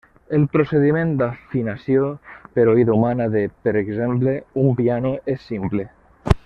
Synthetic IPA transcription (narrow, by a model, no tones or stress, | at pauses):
elpɾoseð̞imẽnt̪d̪afinasjopeɾoiðaumanaðepeɾekzempleumpjanoesːimple